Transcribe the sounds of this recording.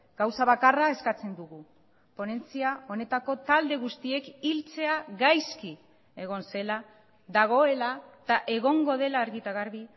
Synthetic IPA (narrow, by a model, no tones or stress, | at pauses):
ɡ̥awsaβ̞akarae̞skat͡se̞nd̪uɣu | po̞ne̞nt͡siao̞ne̞t̪ako̞t̪ald̪e̞ɣust̪ie̞kilt͡se̞aɣajski | e̞ɣ̞o̞nse̞la | ðaɣ̞o̞e̞lat̪aʔe̞ɣ̞o̞ŋɡo̞ð̞e̞laːɾɣit̪aɣaɾβi